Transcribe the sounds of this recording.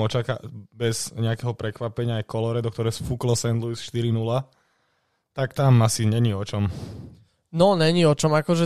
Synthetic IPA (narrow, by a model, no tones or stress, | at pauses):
ɔt͡ʃaka̰bɛz̥ɲɛakɛɦɔpɾɛkʋapɛɲɪaːjkɔlɔɾɛd̪ɔkt̪ɔɾɛjsfuklɔsɛnd̪lujsʃt̪iɾinula | t̪akt̪amasiɲɛɲiɔt͡ʃɔm | nɔɲɛɲiɔt͡ʃɔmakɔʒɛ